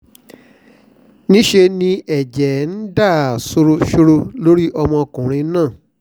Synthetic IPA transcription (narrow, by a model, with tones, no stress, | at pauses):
nĩ˦ʃe˧nĩ˧ɛ˨d͡ʒɛ˨˦n̩˦da˦˨so˧ɾo˧ʃo˧ɾo˧lo˦ɾi˦ʔɔ˧mɔ̃˧kũ˨ɾ̃ĩ˧˦nãː˦˨